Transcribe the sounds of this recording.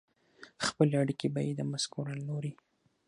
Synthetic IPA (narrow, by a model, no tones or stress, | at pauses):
xpəleaɽikebajid̪əmaskoɾalnoɾi